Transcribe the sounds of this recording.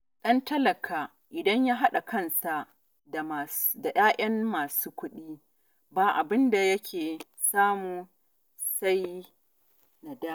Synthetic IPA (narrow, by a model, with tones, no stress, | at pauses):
ɗɐ˦ntɐ˦lɐ˨kʰaː˨ | ʔɪ˨dɐ˦ɲjaː˦ɦa˦ɗa˨kɐ˦nsa˨ | ma˨sda˨j̰aː˦ʔɐ˦mmaː˨suː˦kʷʊ˦ɗiː˦ | baː˨ʔa˨bɪ˦nda˨jɐ˦kʲʰeː˨ | saː˦muː˨ | sa˦j | na˨daː˦